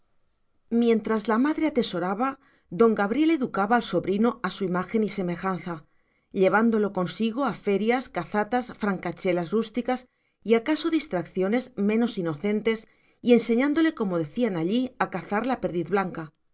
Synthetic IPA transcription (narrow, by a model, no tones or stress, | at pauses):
mjẽ̞nt̪ɾazlamaðɾe̞at̪e̞so̞ɾaβa | ðo̞ŋɡaβɾje̞le̞ðukaβaːlso̞βɾinoasuimaxe̞nise̞me̞xanθa | ʎe̞β̞and̪o̞lo̞ko̞nsiɣ̞o̞afe̞ɾjaskaθat̪asfɾaŋkat͡ʃe̞lazrust̪ikas | iakasoðist̪ɾakθjo̞ne̞zmẽ̞no̞sino̞θe̞nt̪e̞s | ie̞nse̞ɲãnd̪o̞le̞ko̞mo̞ðe̞θianaʎiakaθaɾlape̞ɾðiðβlaŋka